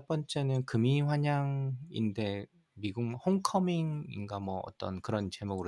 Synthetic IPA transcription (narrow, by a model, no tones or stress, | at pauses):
p͈ʌnt͡ɕ͈e̞nɯnkɯmiɸwaɲaŋḭnde̞ | miɡuŋhoŋkʰʌmiŋḭnɡamwʌʌ̰t͈ʌnkɯɾʌnt͡ɕe̞moɡɯɾ